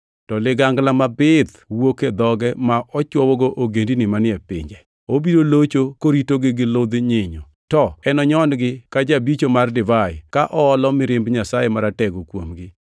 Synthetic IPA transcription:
tɔlɪɡaŋɡlamabɪd̪ | woked̪ɔɡɛmaʔɔt͡ʃwɔwɔɡoʔoɡendinɪmanɪɛpɪ̰ɲd͡ʒɛ | obidolot͡ʃokoɾitoɡɪɡɪlod̪ɲɪɲɔ | tɔɛnɔɲɔnɡɪkad͡ʒabit͡ʃomardɪvajkaʔɔːlɔmɪɾɪmbɲasajemaɾatɛɡokwomɡɪ

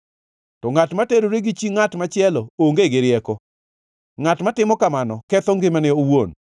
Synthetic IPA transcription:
tɔŋatmateɾoɾeɡɪt͡ʃiŋatmat͡ʃɪɛlɔoŋɡeɡɪɾjɛkɔ | ŋatmatɪmɔkamanɔkɛt̪ɔŋɡɪmanɪowon

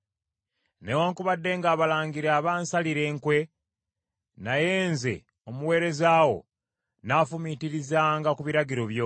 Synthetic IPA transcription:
newaːŋkuβadːe̞ːŋɡaːβalaːŋɡiɾaːβaːnsaliɾe̞ːŋkwe̞ | naje̞ːnze̞̰ | o̞muwe̞ːɾe̞zaːwo̞̰ | naːfumitiɾizaːŋɡakuβiɾaɟiɾo̞βjo

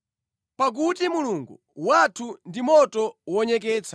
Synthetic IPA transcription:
pak̬utimuluŋɡu | watʰundimɔtɔwɔɲɛk̬ɛːt͡sʰḁ

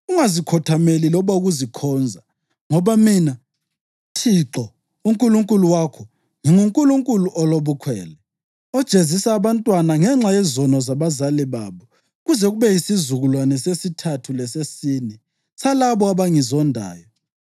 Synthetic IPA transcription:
uŋazikʰɔtʰamelilɔβauɣuzikʰɔːnd͡zʱa | ŋɔβamina | tʰiǁɔ | uŋkʼuluŋkʼuluwakʰɔ | ŋiŋuŋkʼuluŋkʼuluʔɔloβukʰwɛ̰ːlɛ | ɔd̥ʒ̥ʱezisaːβantʼwanaŋɛŋ͡ǁajɛzɔnɔzaβazalɛβaːβɔ | ɣuzɛɣuβɛjisizuɣulwanɛsesitʰatʰulɛsesiːni | salaβɔaβaŋizɔndʱa̰ːjɔ

